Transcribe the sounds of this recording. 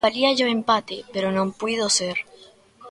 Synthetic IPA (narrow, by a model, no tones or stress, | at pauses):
aliaʝoẽmpat̪epeɾonõmpwið̞oseɾ